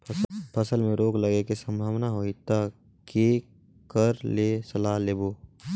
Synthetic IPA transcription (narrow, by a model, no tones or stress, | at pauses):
pʰəsəlmẽɾoːkləɡekesə̃mbʱaːʋnaɦoːit̪a | ke | kəɾleːsəlaːɦleːboː